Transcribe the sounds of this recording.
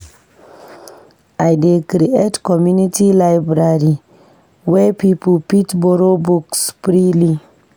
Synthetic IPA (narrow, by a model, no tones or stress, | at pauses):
ajdekɾietkɔmjunitilajbɾaɾi | wɛpiplpitboɾobukspɾili